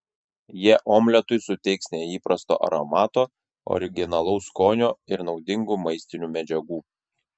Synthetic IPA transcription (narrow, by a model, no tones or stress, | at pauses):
jiɛʔoːmʲlʲɛt̪ʊɪsʊt̪ʲɛɪksnʲɛiːpɾɐst̪o̰ːʔɐ̰ɾomɑːt̪oː | ɔ̰ɾʲɪɡʲɪnɐlˠɐʊskoːnʲoːɪɾnɒʊd̪ʲɪŋɡuːmɐɪsʲt̪ʲɪnʲuːmʲɛd͡ʒʲɛɡuː